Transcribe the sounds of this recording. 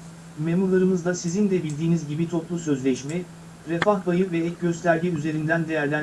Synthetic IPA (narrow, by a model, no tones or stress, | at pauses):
me̞muɾlˠaɾɯmɯzd̪asizind̪ɛbilʲd̪iːnizɟibit̪ʰo̞plˠusø̞zlʲɛʃmɛ | ɾe̞faxbajɯvɛɛcɟø̞st̪ʲʰæɾɟiyze̞ɾind̪ænd̪e̞jæɾlʲæn